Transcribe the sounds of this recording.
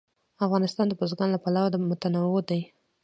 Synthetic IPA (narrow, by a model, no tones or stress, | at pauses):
afɣɑnɪst̪ɑnd̪əbozɡɑnlapalawad̪əmʊt̪anawod̪aj